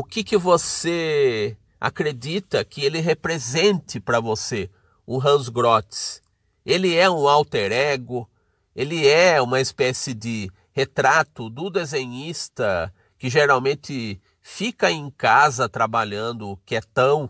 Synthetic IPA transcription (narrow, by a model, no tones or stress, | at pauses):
ʊkɪkɪvose | a̰kɾed̪it̪ɐkɪelɪɦepɾezẽnt̪ɪpɾɐvose | ʊɦɐ̃zɡɾɔt̪ɪ̥s | elɪɛũawt̪eɾɛɡʊ | elɪɛũmɐespɛsɪd̪ɪ | het̪ɾat̪ʊd̪ʊd̪ezẽɲist̪ɐ | kɪʒeɾawmẽnt̪ɪ | fikɐẽj̃kazɐt̪ɾabaʎɐ̃nd̪ʊkɪɛt̪ɐ̃w̃